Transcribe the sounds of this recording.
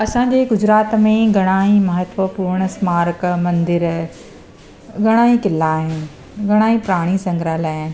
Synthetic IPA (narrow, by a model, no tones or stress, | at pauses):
ɐsãːɲ̆d͡ʑeːɡʊd͡ʑɾaːt̪mẽɡʱɐɽ̃aːimɐɦət̪ʋəpuːɾɽ̃əsmaːɾkmɐ̃nd̪ɪɾ | ɡɐɽ̃aːĩkɪlːaːɦɪnɪ | ɡʱɐɽ̃aːĩpɾaːɽ̃isɐ̃ŋɡʱɾaːlaːɪn̆